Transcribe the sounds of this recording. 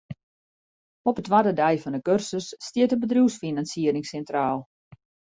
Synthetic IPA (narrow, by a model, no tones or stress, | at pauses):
ɔpətʋadədɛjfɔndəkørsəsːtiətəbədruwsfinansiəɾɪŋsɛntraːlˠ